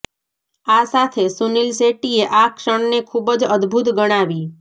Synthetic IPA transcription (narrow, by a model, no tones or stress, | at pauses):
asat̪ʰesunilseʈieʔakʃəɳnekʰubəd͡ʒəd̪bʱut̪ɡəɽ̃aʋi